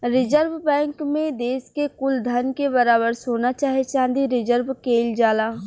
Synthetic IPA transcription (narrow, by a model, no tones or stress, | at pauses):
ɾɪd͡ʒəɾʋbɛ̃ːŋkmẽd̪eːskekʊld̪ʱɐnkebɐɾaːbəɾsoːnat͡ʃaːɦiet͡ʃãːnd̪iɾɪd͡ʒəɾbkeːld͡ʒaːlaː